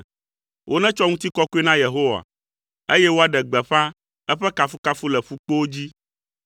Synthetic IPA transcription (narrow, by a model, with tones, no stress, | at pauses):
wʔo˦nɛ̃˦t͡ʃɔ˦ŋũ˦t̪i˦kɔ˦ku˦e˦nã˦je˨ɦo˦wa̰˨ | e˦jɛ˦wo˦a˨ɖɛ˨ɡ͡bɛ˨ɸã˦ | ɛ˦ɸɛ˦ka˨fu˦ka˦fu˦lɛ˨ɸu˦k͡po˦o˦d͡ʑi˦